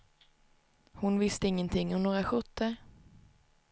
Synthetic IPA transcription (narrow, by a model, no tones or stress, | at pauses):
hʊnvɪst̪əɪŋːənt̪ʰɪŋːɔmnoːɾaɧɵt̪ʰːəɾ